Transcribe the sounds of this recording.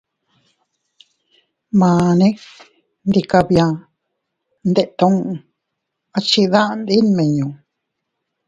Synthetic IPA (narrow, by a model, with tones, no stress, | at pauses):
mãː˨nẽ˦ | nd̪i˧ka˧βjã˧ | nd̪e˧ʔt̪õ˧˦ŋ˧ | a˦˧t͡ʃi˧ðã˦ʔnd̪i˦nmẽ˨ɲũ˨